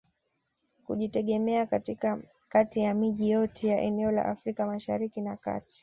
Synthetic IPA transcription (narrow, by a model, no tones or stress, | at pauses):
kṵʄitɛɠɛmɛakatika | katijamiʄijɔtʰɛjaʔɛnɛɔla̰ʔafɾikamaʃa̰ɾikinaka̰ti̥